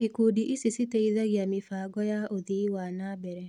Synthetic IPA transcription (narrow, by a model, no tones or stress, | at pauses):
ikudiʔisisiteiðaɣjamifaɡɔjaoðiwanabɛɾɛ